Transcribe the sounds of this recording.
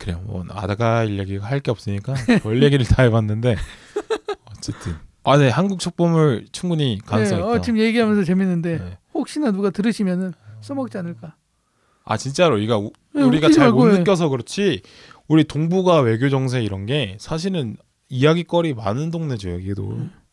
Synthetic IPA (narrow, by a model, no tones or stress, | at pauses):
kɯɾe̞jomʌ̰na̰daɡaiʎjeɡiɡaɦaɭk͈e̞ʌp̚s͈ɯɲik͈awʌʎːe̞ɡiɾɯɭtʰaebanːɯnde̞ | ʌt͡ɕ͈e̞tʰɯnane̞hanɡuk̚t͡ɕʰok̚p͈ʌmɯɭt͡ɕʰuŋɡuɲikanesʌʌt͡ɕimje̞ɡiɦamjʌnsʰʌt͡ɕe̞minːɯnde̞nehok̚ɕ͈inanuɡatɯɾɯɕʰimjʌnɯns͈ɯmʌk̚t͡ɕ͈ianɯɭk͈a | a̰t͡ɕint͡ɕ͈aɾoiɡau | uɾiɡat͡ɕaaooɯk͈jʌs̬ʰʌkɯɾʌt͡ɕʰi | uɾitoŋbuɡawe̞ɡjod͡ʑʌŋs̬ʰe̞iɾʌnɡe̞sʰaɕ̬ʰiɾɯn | ijaɡik͈ʌɾimanɯndoŋne̞d͡ʑojoɡido̰